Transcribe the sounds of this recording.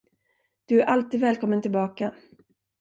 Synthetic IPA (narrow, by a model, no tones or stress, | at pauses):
d̪̥ɵæɾʔalt̪iːd̪vɛːlkʰɔmːənt̪ʰɪlbɑːka